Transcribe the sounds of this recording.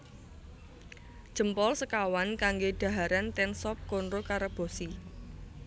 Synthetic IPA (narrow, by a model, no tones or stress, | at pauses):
d̥ʒ̥ə̤mpɔlsəkawankaŋɡeɖ̪̥a̤ɦaɾant̪ɛnsɔp̚konɾokaɾəb̥o̤si